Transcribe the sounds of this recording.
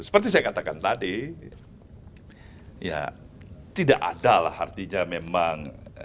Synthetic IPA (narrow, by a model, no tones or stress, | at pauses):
sə̥pərt̪is̬ajakat̪akant̪adi | ja̰ | t̪idaʔa̰dala̰hart̪iɲamemaŋ